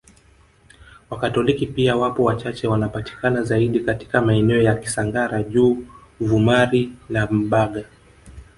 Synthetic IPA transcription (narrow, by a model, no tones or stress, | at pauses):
wakatɔlikipiawapɔwat͡ʃat͡ʃɛwanapati̥kanazaiɗikati̥kamaɛnɛɔjaki̥saŋɡaɾaʄuːvumaɾinam̩ɓaɠa